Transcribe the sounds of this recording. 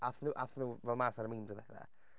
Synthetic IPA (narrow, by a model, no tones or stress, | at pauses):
aθnuːʔaθnuːvɛlˠmaːsaɾəmiːmdəvɛθa̰